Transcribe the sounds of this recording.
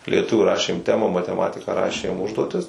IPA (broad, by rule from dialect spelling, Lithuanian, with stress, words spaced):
lʲiɛˈtʊʋʲuː ˈrɑːʃʲeːm ˈtʲæːmɐ mɐtʲɛˈmɑːtʲɪkɐ ˈrɑːʃʲeːm ˈʊʒduɔtʲɪs